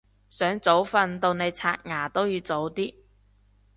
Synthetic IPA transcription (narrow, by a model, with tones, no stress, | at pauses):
sœː˨˥ŋt͡so˨˥wfɐ˧nt̪o˧wne˨˧jt͡sʰaː˧k̚ŋaː˨˩t̪o˥wjiː˨˧wt͡so˨˥wt̪iː˥